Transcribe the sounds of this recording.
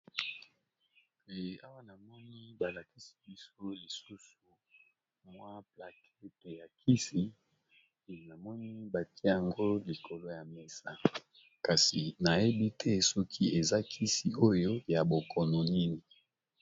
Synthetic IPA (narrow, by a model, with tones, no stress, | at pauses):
e˨a˦wa˦na˨mɔ˦ni˦ba˨la˨ki˦si̥˨bi˦so˦li˨su˦su˨ | mwa˦pla˨kʰe˦te˨ja˨kʰi˦si˨ | na˨mɔ˦ni˦ba˨ti˦a˨ŋɡo˦li˨kʰo˨lo˦ja˨me˨sa˦ | ka˨si˨na˨je˦bi˦tʰɛ˦sɔ˦kʰi˦e˨za˦kʰi˦si˨o˦jo˦ja˨bo˨kʰɔ˨nɔ˨ni˦ni˨